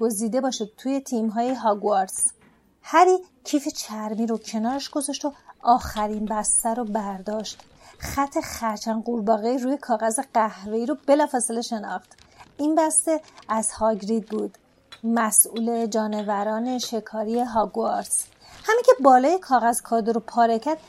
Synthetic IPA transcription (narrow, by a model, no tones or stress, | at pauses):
ɡ̥o̞ziːd̪e̞bɒːʃid̪̚t̪ʰuːje̞t̪ʰimɦɒːjeɦɒɡuɑɾs | hæɾiːcʰiːfet͡ʃʰæɾmiːɾocʰe̞nɒːɾeʃɡ̥o̞zɒʃt̪o̞ɒːxæɾinbæst̪æɾobæɾd̪ɒːʃt̪ | χæt̪ʰːe̞χæɾt͡ʃʰænɢuɾbɒːɣeiɾuːje̞kʰɒːɣæze̞ɢæhveiːɾobe̞lɒːfɒːse̞le̞ʃe̞nɒ̰ːχt̪inbæst̪e̞æz̥hɒɟɾid̪̚buːd̪̥ | mæsʔuːle̞d͡ʒɒːne̞væɾɒːne̞ʃe̞kʰɒːɾieɦɒɡuɑɾs | hæmiŋcʰe̞bɒːlɒːje̞kʰɒːɣæzkʰɒːd̪oɾopʰɒːɾecʰæɾd̪̥